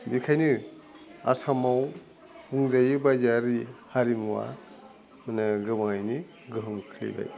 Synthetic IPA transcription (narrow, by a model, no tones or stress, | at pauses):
bikʰajnɯ | a̰sʰamaw | huŋzajɯbazaɾihaɾimuwa̰ | mɯnaɡɯbaŋajni | ɡɯɦɯmkʰɯlḭba̰j